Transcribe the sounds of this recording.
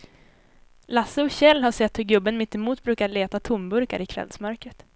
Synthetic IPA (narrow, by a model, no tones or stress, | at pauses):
lasːəɔɕɛlːɦaʂɛt̪hɵɾɡɵbːənmɪt̪ːɛmuːt̪̚bɾʉ̟ːkaɭeːt̪at̪ʰʊmbɵɾka̰ɾɪkʰvɛ̰lsmœɾkɾət̪